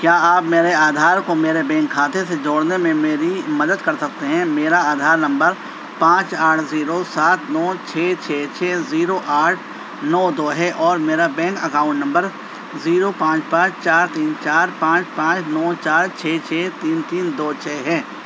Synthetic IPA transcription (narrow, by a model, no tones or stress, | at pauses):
kjaːaːpmeːɾeaːd̪ʱaːɾkomeːɾebɛ̃ːŋkʰːaːt̪esed͡ʒoːɽnemẽmeːɾimɐd̪əd̪kɐɾsɐk̚t̪eɦɛ̃meːɾaaːd̪ʱaːɾnɐ̃mbəɾ | pãːt͡ʃaːʈʰziːɾosaːt̪nɔːt͡ʃʰɛːt͡ʃʰɛːt͡ʃʰɛːziːɾoʔaːʈʰ | nɔːd̪oːɦɛʔɔːɾmeːɾabɛ̃ːŋkɐkaːʊ̃ɳʈnɐ̃mbəɾ | ziːɾopãːt͡ʃpãːt͡ʃt͡ʃaːɾt̪iːnt͡ʃaːɾpãːt͡ʃpãːt͡ʃnɔːt͡ʃaːɾt͡ʃʰɛːt͡ʃʰɛːt̪iːnt̪iːnd̪oːt͡ʃʰɛːɦɛː